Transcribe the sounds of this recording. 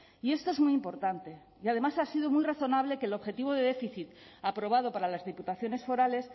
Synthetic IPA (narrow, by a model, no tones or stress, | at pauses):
ie̞st̪oe̞zmwujimpo̞ɾt̪ant̪e̞ | iað̞e̞masasiðomujraθo̞naβ̞le̞kelo̞βxe̞t̪iβ̞o̞ð̞eðe̞fiθit̪ | apɾo̞β̞að̞o̞paɾalazðiput̪aθjo̞ne̞sfo̞ɾale̞s